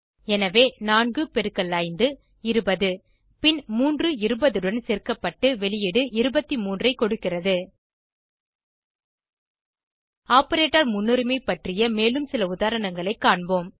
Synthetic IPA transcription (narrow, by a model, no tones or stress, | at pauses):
ɛnɐʋeːnaːnɡɯpɛɾɯkːɐɭːaːjnd̪ɯ | ɪɾɯbɐðɯ | pɪnmuːndrɯɪɾɯbɐðɯɽɐnseːrkɐpːɐʈːɯʋɛlɪjɪɽɯʔɪɾɯbɐt̪ːimuːndrɐɪkːɔɽɯkːɪrɐðɯ | aːpɐɾeːʈːɐɾmʊnːɯɾɯmɐɪpːɐʈrɪjɐmeːlɯmsɪlɐʊðaːɾɐɳɐŋɡɐɭɐɪkːaːɳboːm